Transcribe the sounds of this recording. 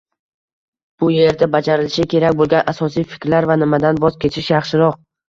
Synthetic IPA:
b̥ʊje̞ɾd̪abad͡ʒaɾɪlɪʃɪkʲʰe̞ɾakʲbolˠɡʲanʔasɒsijfɪ̥kʲɾlaɾvanɪmad̪anbɒzkʲʰe̞t͡ʃʰɪʃjɑχʃɪɾɒq̚

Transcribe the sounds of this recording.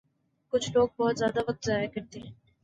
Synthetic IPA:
kʊt͡ʃʰloːɡ̚bɔːt̪zjaːd̪aʋɐk̚t̪zaːjakɐɾt̪eɦɛ̃ː

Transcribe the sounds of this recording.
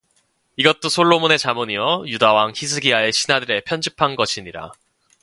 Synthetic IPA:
iɡʌt̚t͈osʰoɭːomone̞t͡ɕamoɲiwʌjudawaŋçis̬ʰɯɡiae̞ɕʰinadɯɾe̞pʰjʌnd͡ʑipʰanɡʌɕʰiɲiɾa̰

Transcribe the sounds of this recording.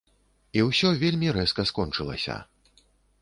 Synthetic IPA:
iwsʲɔvʲelʲmʲiɾɛskɐskɔnt͡ʂɨlˠɐ̰sʲɐ̰

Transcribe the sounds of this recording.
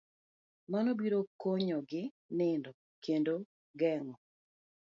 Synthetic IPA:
manobiɾokoɲɔɡɪ | nɪndɔ | kʰendo | ɡɛŋɔ

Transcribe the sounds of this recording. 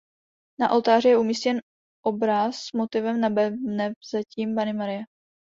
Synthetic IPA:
naʔolt̪aːrɪjɛʔumiscɛn | ʔobɾasːmot̪ɪvɛmnabɛnɛzaciːmbanɪmaɾɪjɛ

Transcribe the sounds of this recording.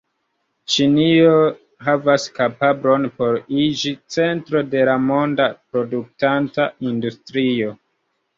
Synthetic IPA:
t͡ʃinio̞ | ɦavaskapabɾo̞npo̞ɾid͡ʒit͡se̞ntɾo̞de̞lamo̞ndapɾo̞duk̚tantaʔindustɾio̞

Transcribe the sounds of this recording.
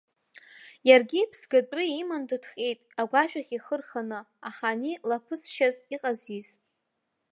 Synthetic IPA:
jarɡʲipʰsɡatʼrɨimandutʰχʲʼejtʼaɡʷaʃᶣaχʲiχərχanɨaχanilapʰɨsʃaziqʼaziz

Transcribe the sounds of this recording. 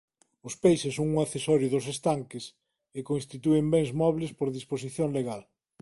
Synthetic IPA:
ʊspejsɪsoŋuŋaθesɔɾjʊðʊsest̪aŋkɪs | ɪkonst̪it̪uembɛŋzmɔβlɪspoɾðispos̬iθjoŋleɣal

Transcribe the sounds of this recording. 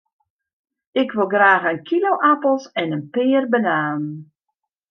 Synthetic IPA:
ɪkʰʋɪlˠɡraːɣənkʰiloʔapəl̩ˠsɛnənpɪːrbənaːən

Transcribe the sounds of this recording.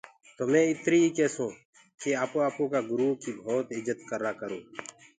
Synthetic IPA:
t̪oːmɛ̃ːɪt̪ɾiːikɛːsõː | keːaːpoːaːpõːkaːɡʊɾuːɦkiːbʱoːt̪ɪd͡ʒət̪kəɾaːkəɾõː

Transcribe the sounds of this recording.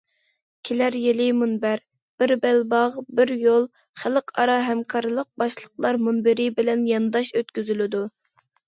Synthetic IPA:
kʲʰelæɾjelɪmunbæɾ | b̥ɪɾbɛlbɑʁbɪɾjolˠ | χæləqʰɑɾɑɦɛmkʰɑɾlˠəq̚bɑʃlˠəqlˠɑɾmunbɪɾɪbɪlɛnjɑnɨd̪ɑʃøt̪kʲyzylɪd̪u

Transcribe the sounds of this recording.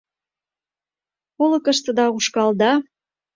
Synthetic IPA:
olɤ̆kəʃt̪ə̆d̪ɑuʃkɑld̪ɑ

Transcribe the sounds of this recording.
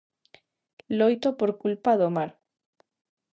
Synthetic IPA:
lojt̪opoɾkulpaðomaɾ

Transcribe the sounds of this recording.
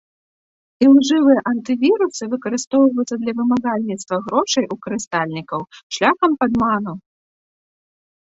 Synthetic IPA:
ilˠʐɨvɨjɛʔɐnt̪ɨvʲiɾusɨvɨkɐɾɨst̪ɔwvɐjut̪sɐd̪lʲɐvɨmaɣalʲnʲit̪st̪vɐɣɾɔʂɐjʔukɐɾɨst̪alʲnʲikɐwʂlʲaxɐmpɐd̪manu

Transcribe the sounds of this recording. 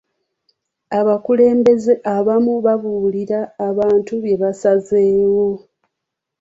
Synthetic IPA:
aβakule̞ːmbe̞zeʔaβamuβaβuliɾaːβaːntuβje̞βasaze̞ːwo̞

